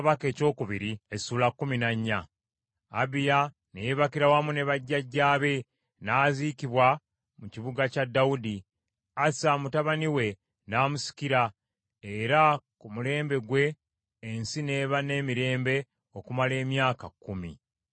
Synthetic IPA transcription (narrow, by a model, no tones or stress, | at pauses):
βake̞ːco̞ːkuβiɾiesuːlakːuminaɲːaː | bija | nejeβakiɾawamune̞βaɟːaɟːaːβe̞ | naːziːkiβwa | muciβuɡacadːaudi | asamutaβaniwe̞ | naːmusi̥kiɾa | eɾakumule̞ːmbe̞ɡwe̞ː | nsine̞ːβane̞ːmiɾe̞ːmbe̞ | okumale̞ːmjaːkakːumḭ